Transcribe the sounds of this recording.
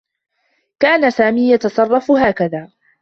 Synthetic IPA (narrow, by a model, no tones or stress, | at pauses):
kaːnasaːmiːjɑt̪ɑsˤɑrˤːɑfɦaːkaðaː